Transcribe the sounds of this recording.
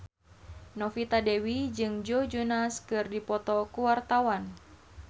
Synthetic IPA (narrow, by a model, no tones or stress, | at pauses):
nɔfit̪adewid͡ʒɨŋd͡ʒod͡ʒunaskɨrdipɔt̪ɔkuwart̪awan